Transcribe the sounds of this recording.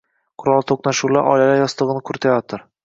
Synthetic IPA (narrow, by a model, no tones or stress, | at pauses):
qʰʊɾɒlˠt̪ʰoqnaʃuwlaɾʔɒ̰jlalajɒst̪ɨʁɨnɪkʰʊɾt̪ʰajɒt̪ʰɪɾ